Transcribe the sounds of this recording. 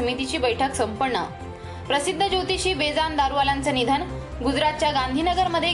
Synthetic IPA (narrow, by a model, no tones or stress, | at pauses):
əmit̪it͡ɕiːbəjʈʰəksəmpəɾɳə̰ | pɾəsid̪ʱːəd͡ʑot̪it͡ɕiːbed͡zand̪aɾuʋalant͡sənid̪ʱən | ɡud͡zɾat̪̚t͡ɕjaɡand̪ʱiːnəɡəɾməd̪ʱːje